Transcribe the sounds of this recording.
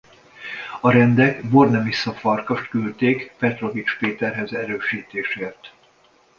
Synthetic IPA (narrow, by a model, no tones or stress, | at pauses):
ɒɾɛnd̪ɛkbornɛmisːɒfɒrkɒʃt̪kylt̪eːkpɛt̪ro̞vit͡ʃpeːt̪ɛrɦɛzɛɾøːʃiːt̪eːʃeːrt̪